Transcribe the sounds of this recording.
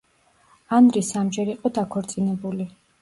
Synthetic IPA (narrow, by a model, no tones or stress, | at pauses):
anɾisamd͡ʒɛɾiqʼɔd̪akʰɔɾt̪sʼinɛbuli